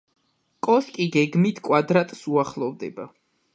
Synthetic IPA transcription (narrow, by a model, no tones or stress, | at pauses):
kʼɔskʼiɡɛɡmit̪ʰkʼwad̪ɾat̪ʼsuaχlˠɔvd̪ɛba